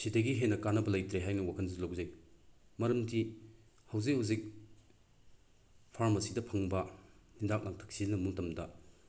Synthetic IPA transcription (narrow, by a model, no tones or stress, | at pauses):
sidɐɡiɦenːɐkanːɐbɐlɐjtɾeɦajnɐwakʰɐnzilawzɐjmɐɾɐmdihɐwzik̚hawzik̚ | pʰaɾmɐsidɐpʰɐŋbɐnidak̚nak̚tʰɐ̥k̚sinɐmuŋtɐmdɐ